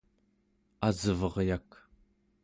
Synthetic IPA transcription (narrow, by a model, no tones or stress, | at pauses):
azɨvʌʁjak